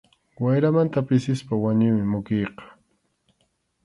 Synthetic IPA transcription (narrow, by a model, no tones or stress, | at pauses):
wajɾamant̪apɪsɪspawaɲʊmɪmʊkejqɑ̥